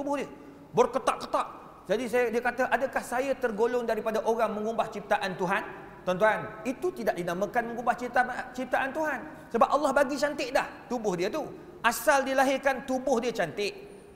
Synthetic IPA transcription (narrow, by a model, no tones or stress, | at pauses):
t̪ubʊhdiə | boɾkət̪aʔkət̪aʔ | d͡ʒadis̬ajdiəkat̪əʔadəkahsajat̪ərɡolʊŋdaɾipadaʔoɾaŋmə̃ŋumbaht͡ʃip̚t̪aʔant̪uɦan | t̪ɔnt̪uanit̪ut̪idaʔdinãmãkanmə̃ŋumbaht͡ʃit̪at͡ʃip̚t̪aʔant̪uɦan | səbap̚ɑlːɑhbaɡit͡ʃant̪ɪʔdaht̪ubʊhdiət̪u | ʔasaldilaɦɪrkant̪ubʊhdiət͡ʃant̪ɪʔ